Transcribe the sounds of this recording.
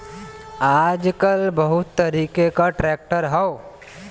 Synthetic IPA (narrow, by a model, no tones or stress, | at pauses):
aːd͡ʒkəlbəɦʊt̪ːəɾiːkekaʈɾɛːk̚ʈəɾɦəo